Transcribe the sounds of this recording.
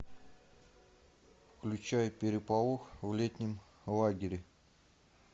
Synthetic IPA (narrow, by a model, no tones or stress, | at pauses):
fklʲʉt͡ɕajʊpʲɪɾʲɪpalˠoxvlʲet̪ʲnʲɪm | lˠaɡʲɪɾʲɪ